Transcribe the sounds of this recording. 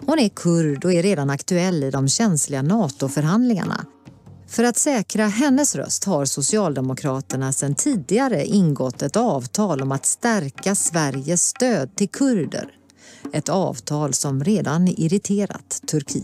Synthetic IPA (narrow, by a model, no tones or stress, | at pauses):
hʊnɛkʰɵɾɖɔɛɾeːd̪anakt̪ɵɛlːɪd̪ɔmɕɛnslɪɡanɑːt̪ʊfœɾɦand̪lɪŋa̰ɳa̰ | fœɾat̪sɛːkɾaɦɛnːəsɾœ̰st̪haɾsʊsɪɑːld̪ɛmʊkʰɾɑːt̪əɳasɛnt̪ʰiːd̪ɪɡaɾəʔɪnɡɔt̪ːɛt̪ɑːvt̪ʰɑːlɔmat̪st̪æɾkasvæɾjəst̪øːd̪̚t̪ʰɪlkʰɵɾd̪ə̰ɾ | ɛt̪ɑ̰ːvt̪ʰɑːlsɔmɾeːd̪anɪɾɪt̪ʰeːɾa̰t̪ʰːɵɾkʰḭː